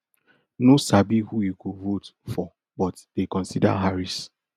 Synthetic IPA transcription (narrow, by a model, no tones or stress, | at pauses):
nosabihujukovotfɔ | bɔtdekɔ̃nsida̰ɦaɹis